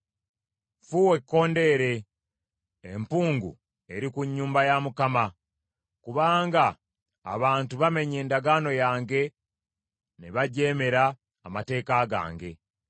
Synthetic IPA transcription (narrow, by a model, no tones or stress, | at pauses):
fuwe̞kːo̞ːnde̞ɾe̞ | mpuːŋɡṵ | e̞ɾikuɲːuːmbajamukama | kuβaːŋɡa̰ː | βaːntuβame̞ɲe̞ːndaɡaːno̞jaːŋɡe̞ | neβaɟe̞ːme̞ɾaː | mate̞ːkaɡa̰ːŋɡe̞